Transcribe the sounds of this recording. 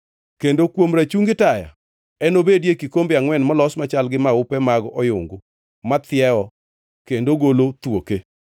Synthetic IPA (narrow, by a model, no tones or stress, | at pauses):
kendokwomɾat͡ʃuŋɡɪtaja̰ | ɛnobedjekikombeaŋwɛnmɔlɔsmat͡ʃalɡɪmaʊpɛmaɡɔʔɔjʊ̰ŋɡʊ | mat̪ɪɛɔ | kendoɡolot̪woke